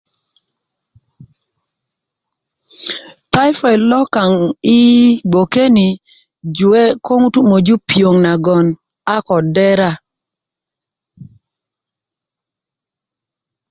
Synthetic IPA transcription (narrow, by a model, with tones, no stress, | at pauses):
ta˦ɪ˦fɔ˨ɛ˨lɔ˦ka˨ŋɪ˦ɡ͡bo˨ke˦ni˨ | d͡ʒu˨e˦ko˦ŋu˦tu˦mo˨d͡ʒu˦pjo˨ŋna˨ɡɔ˨n | a˦kɔ˨dɛ˦ɾa˦